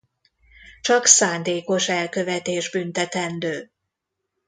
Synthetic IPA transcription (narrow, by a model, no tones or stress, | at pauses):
t͡ʃɒksaːnd̪eːko̞ʃɛlkøvɛt̪eːʒbynt̪ɛt̪ɛnd̪øː